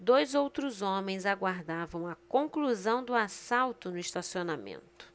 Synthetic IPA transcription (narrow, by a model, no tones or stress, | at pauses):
d̪ojzowt̪ɾʊzõmẽj̃zaɡwaɾd̪avɐ̃w̃ɐkõŋkluzɐ̃w̃d̪ʊasawt̪ʊnʊist̪asionamḛ̃nt̪ʊ̥